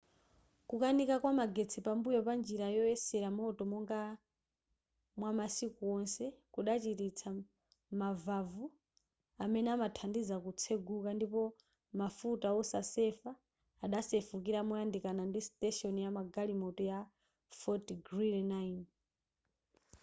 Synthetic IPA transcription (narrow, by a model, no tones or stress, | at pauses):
kukanikakwamaɡet͡sʰipambujɔpand͡ʒiɾajɔɛsɛɾamɔtɔmɔŋɡa | mwamasikuɔnsɛkuɗat͡ʃitit͡sʰa | mavavu | amɛnɛamatʰandizakut͡sʰeɡukandipɔ | mafutaɔsasɛfaː | ɗasɛfukiɾamɔjandikanandistɛʃɔnijamaɡalimɔtɔja | fɔtɡrilnain